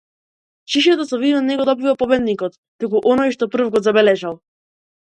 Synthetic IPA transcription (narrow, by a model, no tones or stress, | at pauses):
t͡ʃiʃ̬ɔt̪ɔsɔvid̪vanɛɡɔd̪ɔbivapɔbɛd̪nikɔt̪ːukuʔɔnɔjʃt̪ɔpr̩vɡɔzabɛlɛʒalˠ